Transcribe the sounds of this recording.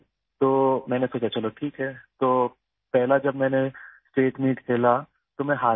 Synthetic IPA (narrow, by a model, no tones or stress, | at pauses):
t̪oːmɛ̃ːnesoːt͡ʃʰat͡ʃɐloːʈʰiːkɦɛːt̪oː | pɛɦlad͡ʒɐbmɛ̃ːnesʈeːʈmiːʈkʰeːla | t̪omɛ̃ɦaː